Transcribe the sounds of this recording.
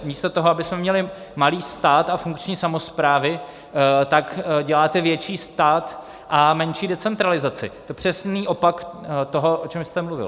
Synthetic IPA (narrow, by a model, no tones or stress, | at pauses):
miːst̪ot̪oɦoabɪsmɛmɲɛlɪ | maliːst̪aːt̪afuŋkt͡ʃɲiːsamo̞spɾaːvɪ | t̪akɟɛlaːt̪ɛvjɛt͡ʃiːst̪aːt̪ | ʔamɛnt͡ʃiːdɛt͡sɛnt̪ɾalɪzat͡sɪ̰t̪o̞pr̥ɛsniːʔo̞pakt̪o̞ɦo̞ʔot͡ʃɛmst̪ɛmluvɪ̰l